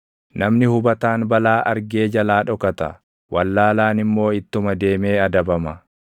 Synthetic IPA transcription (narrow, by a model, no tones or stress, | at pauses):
nɐmnɪhʊbɐt̪aːnbɐlaːʔɐɾɡe̞ːd͡ʒɐlaːᶑɔkɐt̪ɐ̰ | wʔɐlːaːlaːnɪmːo̞ːɪt̪ːʊmɐd̪e̞ːme̞ːɐd̪ɐbɐmɐ